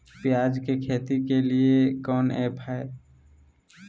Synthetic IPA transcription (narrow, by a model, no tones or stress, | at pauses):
pjaːd͡ʒkekʰeːt̪ikeliekɔːnḛːpɛe